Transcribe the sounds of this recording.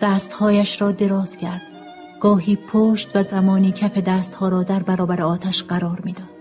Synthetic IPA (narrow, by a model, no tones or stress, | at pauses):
d̪̥æːst̪hɒːjæʃɾɒːd̪e̞ɾɒːz̥cʲʰæɾd̪̥ | ɡ̥ɒːɦiːpʰoːʃt̪væzæmɒːniːcʰæfe̞d̪æːst̪hɒːɾɒːd̪æɾbæɾɒːbæɾeɒːt̪ʰæʃɢæɾɒːɾmiːd̪ɒːd̥̪